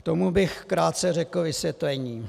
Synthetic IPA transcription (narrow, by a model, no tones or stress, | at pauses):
t̪o̞mubɪxkɾaːt̪̚t͡sɛrɛkl̩vɪsjɛt̪lɛɲiː